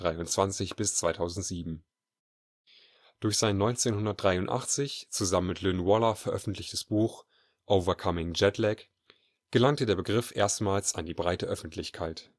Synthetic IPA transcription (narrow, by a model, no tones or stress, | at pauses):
ʁaɪʊnt͡sv̥ant͡sɪçb̥ɪst͡sv̥aɪtʰaʊzn̩tz̥iːbm̩ | d̥ʊɐçz̥aɪnːɔʏnt͡seːnhʊndɐtd̥ʁaɪʊntʔa̰χt͡sɪçt͡suzamənmɪtʰlʏnwɔlɐfɛɐʔœfn̩tʰlɪçtəsb̥uːx | ʔoʊvɐɐkʰamɪŋd͡ʒɛtlɛk | ɡ̥əlaŋtədeːɐbəɡʁɪfʔeːɐstmaːlsa̰ndiːbʁaɪtəʔœfn̩tʰlɪçkʰaɪt